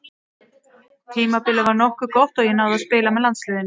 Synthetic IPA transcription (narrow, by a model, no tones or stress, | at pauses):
t̪ʰiːmapɪlavaɾnɔhkʏkɔht̪ɔɣjɛnawðaðspɪːlamɛðlant̪slɛːðɪnːɪ